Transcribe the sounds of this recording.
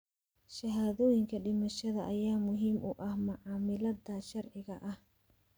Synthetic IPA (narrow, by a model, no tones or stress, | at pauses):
ʃɐɦaːðɔːjɪŋkʰɐɖɪmɐʃɐðɐʔɐjaːmʊɦiːmʔʊʔɐhmɐʕɑːmɪlɐdɐʃɐrʕɪɣɐʔɐh